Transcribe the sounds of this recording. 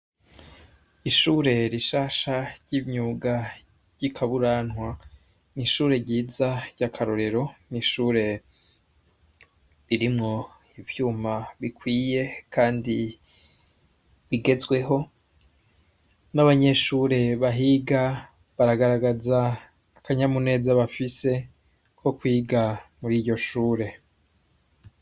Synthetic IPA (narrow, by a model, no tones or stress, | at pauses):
iʃuːɾe̞ɾiʃaːʃaɾɟimɲuːɡa | ɾɟ̥ikʰaβuɾaːnŋwa | niʃuːɾe̞ɾɟiːzaɾɟakʰaɾoɾe̞ɾo̞niʃuːɾe̞ | ɾiɾimŋo̞ | ivjuːmaβikwiːje̞kʰaːndi | βiɡe̞zɡwe̞ɦo̞ | naβaɲe̞ʃuːɾe̞βaɦiːɡa | βaɾaɡaɾaɡazaː | kaɲamune̞ːzaβafise̞ | kʰo̞kwiːɡamuɾiːɟo̞ʃuːɾe̞